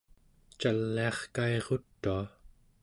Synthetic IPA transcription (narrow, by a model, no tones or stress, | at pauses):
t͡ʃalːiɑχkaeʁot̪ːua